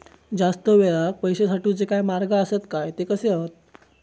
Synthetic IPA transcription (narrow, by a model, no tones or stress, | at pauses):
d͡zast̪əʋeɭak̚pəjɕesaʈuːd͡zekajmaɾɡaəset̪kajt̪ekəseaɦot̪̚